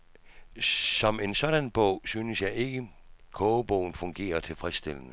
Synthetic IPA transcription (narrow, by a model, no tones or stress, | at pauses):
sɒ̽me̝nsɒ̽ɾ̥ænb̥ɔʊ̰synəsjɑ̈ɪe̝ɡ̥ə | kʰɔb̥ɔʊn̩fɔ̽ŋɡ̥e̝̰ːɐt͡sʰe̝lfʁɛsd̥e̝l̰ənə